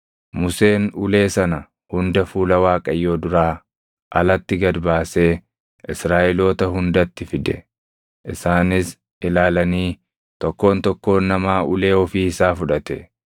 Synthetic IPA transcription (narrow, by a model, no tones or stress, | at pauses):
mʊse̞ːnʊle̞ːsɐnɐ | hʊnd̪ɐfuːlɐwaːkʼɐjːo̞ːd̪ʊɾaː | ʔɐlɐt̪ːɪɡɐd̪baːseː | ʔɪsɾaːʔɪlo̞ːt̪ɐɦʊnd̪ɐt̪ːɪfɪd̪ɛ | ʔɪsaːnɪs | ʔɪlaːlɐniː | t̪ɔkːo̞ːnt̪ɔkːo̞ːnːɐmaːʔʊle̞ːɔfiːɪsaːfʊᶑɐt̪ɛ